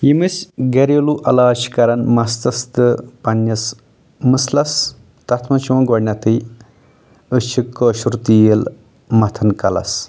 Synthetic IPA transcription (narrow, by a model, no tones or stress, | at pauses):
jimɨsɡɐɾoluʔɐlaːʃi̥kɐɾɐnmɐst̪ɐst̪ɨpɐnːɐs | mɨslɐs | t̪ɐt̪ʰmɐt͡ʃʰimɐ̃nɡoɾnʲɐt̪ɨj | ɨt͡ʃʰikːoːʃuɾt̪iːel | mɐt̪ʰɐnkɐlɐ̰s